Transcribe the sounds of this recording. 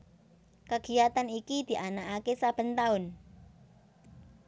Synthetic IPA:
kəɡ̥ijat̪anikid̪̥i̤ʔanakakesab̥ə̤nt̪aʊn

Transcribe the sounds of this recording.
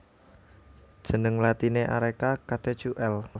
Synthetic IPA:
d̥ʒ̥ənəŋlat̪ineʔaɾekakat̪et͡ʃuʔɛl

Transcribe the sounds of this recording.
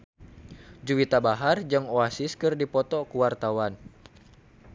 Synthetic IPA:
d͡ʒuwit̪abaɦard͡ʒɨŋoasiskɨrdipɔt̪ɔkuwart̪awan

